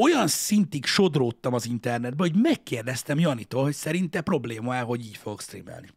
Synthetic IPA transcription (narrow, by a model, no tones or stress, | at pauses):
o̞jɒnsint̪ikʃo̞d̪roːt̪ːɒmɒzint̪ɛrnɛd̪̚bɛho̞ɟmɛkːeːrd̪ɛst̪ɛmjɒnit̪oːlɦo̞csɛɾint̪ɛpro̞bleːmɒɛːɦo̞ɟiːcfoɡokst̪rḭmɛ̰lni